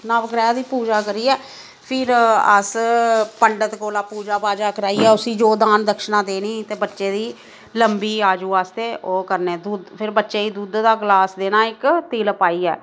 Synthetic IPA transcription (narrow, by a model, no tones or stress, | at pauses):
nãːʋəkɾaːd̪iːpuːd͡ʒaːkəɾiːɛː | pʰɪɾə̰spəɳɖət̪koːlaːpuːd͡ʒaːpaːd͡ʒaːkəɾaːiːɛːʊsiːd͡ʒoːd̪aːnd̪əkʃnãːd̪eːniːt̪eːbətːʃeːd̪iː | ləmbiːaːd͡ʒuːaːst̪eːoːkəɾneːd̪uːd̪pʰɪɾbətːʃeːiːd̪uːd̪d̪aːɡlaːsd̪eːnaːɪkt̪ɪlpaːiːɛ̰ː